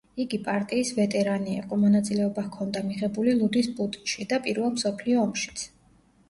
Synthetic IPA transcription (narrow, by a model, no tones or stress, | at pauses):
iɡipʼaɾt̪ʼiːsvɛt̪ʼɛɾaniɛ̰qʼɔmɔnat̪sʼilɛɔbakʰɔnd̪amiʁɛbulilˠud̪ispʼut̪ʼi̥nʃid̪apʼiɾvɛlˠmsɔpʰliɔːmʃi̥t̪sʰ